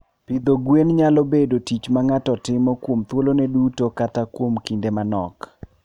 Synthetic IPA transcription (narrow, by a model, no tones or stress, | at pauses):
pɪd̪oɡwenɲalɔbedotit͡ʃmaŋatɔtɪmɔkwomt̪wolonɛdutokatakwomkindemanɔ̰k